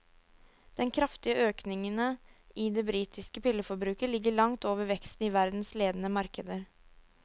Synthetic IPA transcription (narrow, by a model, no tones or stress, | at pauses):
d̪̥ɛnkʰɾɑft̪ɪəʔøːknɪŋənəʔɪd̪ɛbɾiːt̪ʰɪskəpɪlːəfɔɾbɾʉːkəlɪɡːəɭɑŋt̪oːʋəɾʋɛkst̪n̩ɪʋæɾd̪n̩sleːd̪ən̩əmɑɾkəd̪əɾ